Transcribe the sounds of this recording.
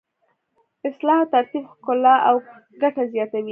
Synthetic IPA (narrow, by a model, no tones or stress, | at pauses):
ɪslɑhat̪aɾt̪ibhkʊlɑʔaw | ɡaʈazjɑt̪awi